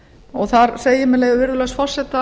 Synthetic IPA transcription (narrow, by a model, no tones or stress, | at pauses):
ɔɣθaɾseːjɪmɛleːjɣʏvɪɾðʏlœsfɔr̥sɛt̪a